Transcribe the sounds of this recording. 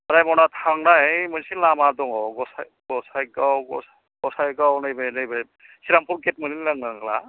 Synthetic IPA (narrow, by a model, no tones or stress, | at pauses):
ɾajmɔnat̪ʰaŋnajmɯnsʰilamadɔŋɔɡɔsaj | ɡɔsajɡawɡɔsa | ɡɔsajɡawnɯjbanɯjba | siɾampʰuɾket̚mɯnilaŋnaŋla̰